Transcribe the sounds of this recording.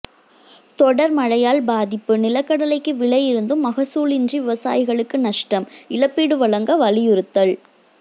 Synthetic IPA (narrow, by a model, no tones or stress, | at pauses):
t̪ɔɽɐɾmɐɻɐjaːlbaːðɪpːɯnɪlɐkːɐɽɐlɐɪkːɯʋɪɭɐjɪɾɯnd̪ɯmːɐɣɐsuːɭɪndriʋɪʋɐsa̰ːjɪɣɐɭɯkːɯnɐʂʈɐmɪɻɐpːiːɽɯʋɐɭɐŋɡɐʋɐlɪjʊɾɯt̪ːɐɭ